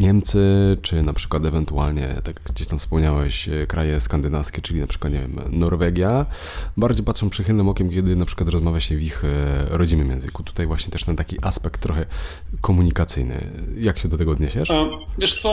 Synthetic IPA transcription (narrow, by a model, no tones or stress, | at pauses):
ɲɛmt̪sɘt͡ʂɘnapʂɘ̥kwat̪ɛvɛnt̪ua̰lɲɛ̰t̪akjaɡɡd͡ʑeɕt̪amfspɔmɲawɛɕkɾajɛskand̪ɘnafskʲɛt͡ʂɘlʲinapʂɘkwat̪ɲɛvʲjɛ̰mnɔɾvɛɡʲja | baɾd͡ʑejpatʂɔ̃w̃pʂɘxɘlnɘmɔkʲɛmkʲɛd̪ɘnapʂɘkwat̪ɾɔzmavʲjaɕɛvʲixɾɔd͡ʑinmɨmjɛ̰ñzɘku̥t̪u̥t̪ajvwaɕɲɛt̪ɛʂt̪ɛnt̪akʲiʔaspɛk̚t̪ːɾɔxɛ | kɔmuɲikat̪sɘ̰jnɘ̰jakɕɛd̪ɔt̪ɛɡɔɔd̪ɲeɕɛʂvʲjɛʂt̪sɔ